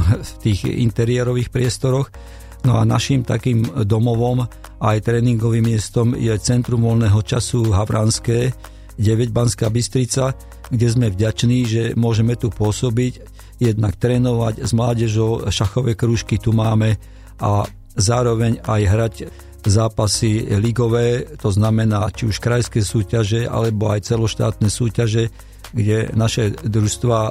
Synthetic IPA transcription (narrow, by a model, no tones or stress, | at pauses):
ft̪iːɣḭnt̪ɛɾɪɛɾɔʋiːxpɾɪɛst̪ɔɾɔx | nɔa̰na̰ʃimt̪a̰kiːmd̪ɔmɔʋɔm | ajt̪ɾɛːniŋɡɔʋimːɪɛst̪ɔmjɛt͡sɛnt̪ɾumʋɔlnɛːɦɔt͡ʃasuɦaʋɾanskɛː | ɟɛʋɛɟbanskaːbist̪ɾit͡sa | ɡɟɛzmɛvɟat͡ʃniːʒɛmʊɔʒɛmɛt̪upʊɔsɔbic | jɛd̪nakt̪ɾɛːnɔʋaɟzmlaːɟɛʒɔʊʃaxɔʋɛːkɾuːʃkit̪umaːmɛ | ʔa | zaːɾɔʋɛɲajɦɾaɟ | zaːpasiliɡɔʋɛːt̪ɔznamɛnaːt͡ʃiuʃkɾajskɛːsuːcaʒɛa̰lɛbɔajt͡sɛlɔʃt̪a̰ːt̪nɛːsuːcaʒɛ | ɡɟɛnaʃɛd̪ɾuʃst̪ʋaː